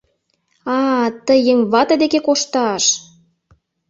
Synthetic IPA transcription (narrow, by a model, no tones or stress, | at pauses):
ɑt̪əjeŋβɑt̪ɤ̆d̪ekekoʃt̪ɑʃ